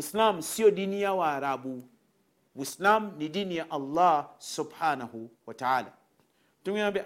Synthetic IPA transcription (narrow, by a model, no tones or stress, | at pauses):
wislamsiodunijawaɾabu | wuslamnidinijaʔalːaːsʊbħaːnahuwataaːla̰ | tuŋabɛ